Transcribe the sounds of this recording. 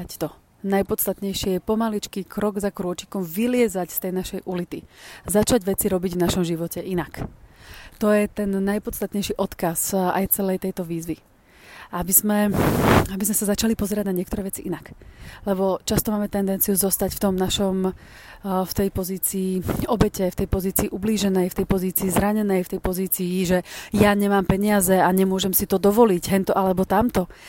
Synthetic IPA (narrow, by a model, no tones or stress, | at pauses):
t̪ɔ | najpɔt̪st̪at̪ɲɛjʃijɛpɔmalit͡ʃkiːkɾɔɡzakɾʊɔt͡ʃi̥kɔmʋilɪɛzacst̪ɛjnaʃɛjʔulit̪izat͡ʃaɟʋɛt͡siɾɔbiɟvnaʃɔmʒiʋɔcɛʔinak | t̪ɔjɛt̪ɛnːajpɔt̪t͡st̪at̪ɲɛjʃiʔɔt̪kaza̰jt͡sɛlɛjt̪ɛjt̪ɔʋiːzʋi | ʔabizmɛ | abizmɛsazat͡ʃalipɔzɛɾaɟnaɲɪɛkt̪ɔɾɛːʋɛt͡siʔinaklɛbɔt͡ʃast̪ɔmaːmɛt̪ɛnd̪ɛnt͡sijuzɔst̪acft̪ɔmnaʃɔm | ft̪ɛjpɔziːt͡siːɔbɛcɛft̪ɛjpɔziːt͡siːʔubliːʒɛnɛjft̪ɛjpɔziːt͡siːzɾaɲɛnɛjft̪ɛjpɔziːt͡siːʒɛjaɲɛmaːmpɛɲɪazɛaɲɛmʊɔʒɛmsit̪ɔd̪ɔʋɔliɟɦɛnt̪ɔʔalɛbɔt̪amt̪ɔ